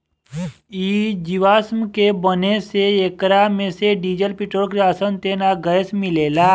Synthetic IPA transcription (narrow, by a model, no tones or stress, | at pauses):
iːd͡ʒiʋaːsmkebəneseekɾamẽseɖiːd͡ʒəlpɪʈoːɾkɾaːsənt̪eːnaɡəjsmɪleːlaː